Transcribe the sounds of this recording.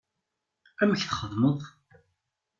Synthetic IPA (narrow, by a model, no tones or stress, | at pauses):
æməçθχəðˤməðˤ